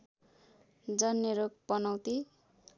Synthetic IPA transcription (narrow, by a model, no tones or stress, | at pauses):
d͡zʌnjeɾok̚pʌnʌwt̪i